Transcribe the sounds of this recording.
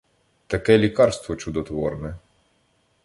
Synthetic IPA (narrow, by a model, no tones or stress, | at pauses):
t̪ɐkɛlʲikɑrst̪ʋɔt͡ʃʊd̪ɔt̪ʋɔrnɛ